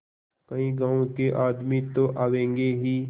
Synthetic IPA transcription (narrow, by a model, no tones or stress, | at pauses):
kəĩːɡaːõkeʔaːd̪mit̪oʔaːʋẽːŋɡeɦiː